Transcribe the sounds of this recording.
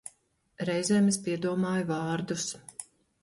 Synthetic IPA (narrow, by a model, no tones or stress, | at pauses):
ɾɛjzɛːmes̬piɛd̪uɔmaːjvɑːɾd̪us